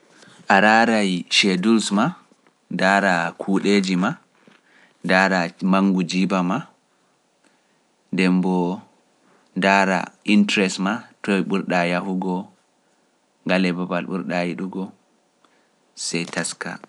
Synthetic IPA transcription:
ʔaɾaɾajʃedulsma | daɾakʰuɗed͡ʒima | daːɾamaŋɡud͡ʒibama | ndɛmbɔ | daɾa̰ʔintɾɛsmatɔɓuɾɗajahuɡɔ | ŋɡalɛbabalɓṵɾɗajiɗuɡɔ | sɛjtaska̰

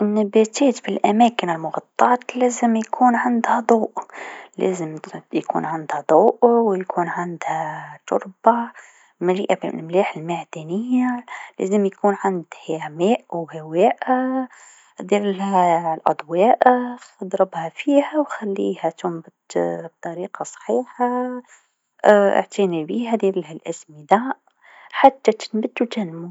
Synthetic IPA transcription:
ʔɪnːabæt̪æːt̪bɪlʔæmæːkɪnɪlmʊɣɑt̪ˤːɑːt̪læːzɪmjkʰuːnʕand̪hæd̪ˤuːʔlæ̰ːzɪmjkṵːnʕand̪hæd̪ˤuːʔwjkʰuːnʕand̪hat̪ʊ̰ɾˤba | maliːʔabmlæːħɪlmaʕd̪ænɪjːalæ̰ːzɪmjakuːnʕand̪hamæːʔwhawæːʔa | d̪iɾlhælʔɑ̰d̪ˤwɑːʔaxɑd̪ɾˤɑbhæfiːhæwxælːḭːhæt̪ʊmbəd̪b̚t̪ˤɑɾiːqɑsˤħiːħa | ʔɪ̰ʕt̪ʰinibihæd̪iɾlhælʔæsmid̪a | ħat̪ːæt̪ə̥nbəd̪ːut̪ænmu

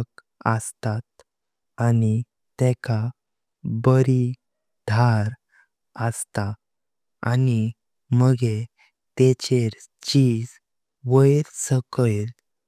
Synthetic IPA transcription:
k | ə̰st̪at̪̚ | ani | t̪ɛka | bəɾi | d̪ʱaɾ | əst̪a | ani | məɡe | t̪et͡ɕeɾ | t͡ɕiːd͡z | ʋəjɾsəkəjl

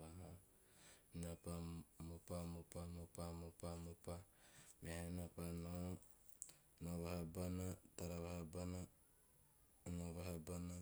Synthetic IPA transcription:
βaɦa | inapamupamupamupamupamupamehanapano | noβahabanataɾaβahabana | noβahabana

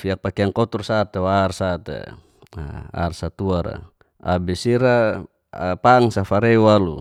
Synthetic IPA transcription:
fiak̚pakeaŋkɔt̪ursat̪ewarsat̪ḛ | a̰rsat̪uaɾa̰ | a̰bisiɾa | paŋsafaɾeualu

